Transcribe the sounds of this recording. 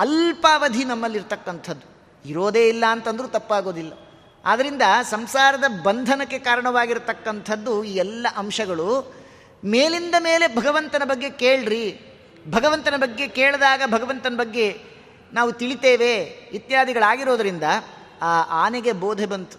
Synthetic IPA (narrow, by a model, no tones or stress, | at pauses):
ɐlpaːʋɐd̪ʱinɐmːɐlːiɾt̪ɐkːɐnt̪ʰɐd̪ːu | iɾo̞ːd̪e̞ːilːɐːnt̪ɐnd̪ɐɾut̪ɐpːaːɡo̞ːd̪ilːɐ | a̰ːd̪ɐɾind̪ɐsɐmsaːɾɐd̪ɐbɐnd̪ʱɐnɐkːe̞kaːɾɐɳɐʋaːɡiɾt̪ɐkːɐnt̪ʰɐd̪ːuiːɛlːɐʔɐmʂɐɡɐɭu | meːlind̪ɐme̞ːle̞bʱɐɡɐʋɐnt̪ɐnɐbɐɡːe̞keːɭɾi | bʱɐɡɐʋɐnt̪ɐnɐbɐɡːe̞keːɭd̪aːɡɐbʱɐɡɐʋɐnt̪ɐnɐbɐɡːe̞ | naːʋut̪iɭit̪eːʋe̞ʋit̪jaːd̪ʱiɡɐɭaːɡiɾo̞ːd̪ɐɾind̪ɐ | aːʔaːneɡe̞boːd̪ʱebɐnt̪u̥